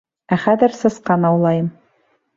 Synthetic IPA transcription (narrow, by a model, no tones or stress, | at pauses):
æχæðɘ̆ɾsɤ̆sqɑnɑwlˠɑjɤm